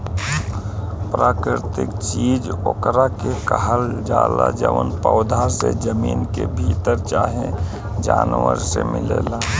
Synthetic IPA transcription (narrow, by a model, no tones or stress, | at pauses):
pɾaːkɾɪɾt̪ɪkt͡ʃid͡ʒokɾakekəɦəld͡ʒaːlad͡ʒəʋənpəʊd̪ʱaɾsed͡ʒəmiːnkebʱit̪əɾt͡ʃaːɦẽ | d͡ʒaːnʋəɾsemɪlela